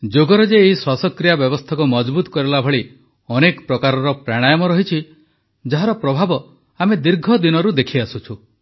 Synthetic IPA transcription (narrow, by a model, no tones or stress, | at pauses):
d͡ʒoɡɔɾɔd͡ʒeːɦiswasɔkɾijabjɔbɔst̪ʰakumɔd͡ʒbut̪ɔ̥kɔɾilabʱɔɭi | ɔnekɔpɾɔkaɾɔɾɔpɾaɽ̃ajɔmɔɾɔɦit͡ʃʰi | d͡ʒaɦaɾɔpɾɔbʱabɔ | amed̪iɾɡʱɔd̪inɔɾud̪ekʰiasut͡ʃʰu